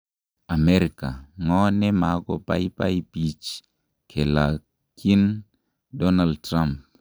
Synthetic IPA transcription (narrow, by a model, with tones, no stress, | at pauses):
a˨mɛ˦ɾi˨ka˨ŋɔ˦nɛ˦ma˨˦kɔ˨pa̰˦i˦pa̰˦i˦pi˨t͡ʃ | kʰe˨la˨ | kʰi˦n | dɔ˦na˨ldtɾa˦mp̚